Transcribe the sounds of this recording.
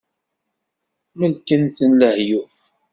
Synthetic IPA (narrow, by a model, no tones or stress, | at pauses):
məlkənθənləhju